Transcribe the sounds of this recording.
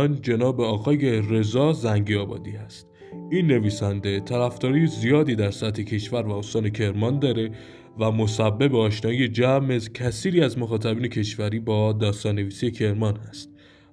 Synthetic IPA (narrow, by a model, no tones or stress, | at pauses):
nd͡ʒe̞nɒːbe̞ɒːɣɒːje̞ɾe̞zɒːzæŋɟiɒːbɒ̰ːd̪iːæst̪ | inːe̞viːsænd̪e̞t̪ʰæɾæfd̪ɒːɾije̞zijɒːd̪iːd̪æɾsæt̪ʰecʰe̞ʃvæɾvæost̪ɒːne̞cʰe̞ɾmɒnd̪ɒːɾe̞ | væmo̞sæbːe̞beɒːʃnɒːije̞d͡ʒæmezcʰæsiːɾiːæzmoxɒːt̪ʰæbiːne̞cʰe̞ʃvæɾiːbɒːd̪ɒːst̪ɒːnːe̞viːsije̞cʰe̞ɾmɒnhæst̪̚